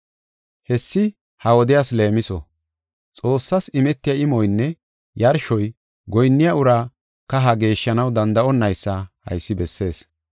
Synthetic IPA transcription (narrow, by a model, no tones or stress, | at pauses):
hɛsːɪ | hɐwɔd̪ɪjaːsle̞ːmɪsɔ̰ | t͡sʼo̞ːsːɐsɪmɛt̪ːɪjɐɪmɔjnːɛ | jɐɾʃɔj | ɡɔjnːɪjɐʊɾaː | kɐɦɐɡe̞ːʃːɐnɐwd̪ɐnd̪ɐʔɔnːɐjsːɐhɐ̰jsːɪbɛsːe̞ːs